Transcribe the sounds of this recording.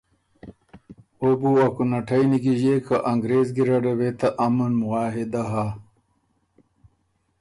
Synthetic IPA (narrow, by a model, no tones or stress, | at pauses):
obuɐkunɐʈʰɐjniɡiʑekɐʔɐŋɡɾeːzɡiɾɐɖɐwet̪ɐʔɐmɐnmuaːɦed̪ɐɦa